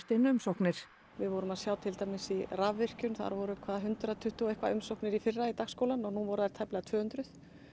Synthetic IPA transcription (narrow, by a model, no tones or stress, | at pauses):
t̪ɪnʏmsowhknɪɾ̥ | vɪðvɔɾʏmaðsjaːwt̪ʰɪlt̪aːjmɪsiravːɪr̥cʏnθa̰ɾvɔɾʏkʰvaːðaɦʏnt̪ɾat̪ʰʏht̪ɪɔejhkva̰ʏmsowknɪɾifɪrːait̪aɣskoːwlanɔɣnunvɔɾʏðajɾ̥t̪ʰɛplɪɣat̪ʰv̥œːhʏnt̪ɾʏθ